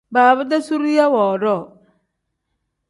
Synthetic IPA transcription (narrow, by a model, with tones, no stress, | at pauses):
baː˨βʊ˦da˦su˦ɾi˦ja˦wɔː˨ɾɔ˦˨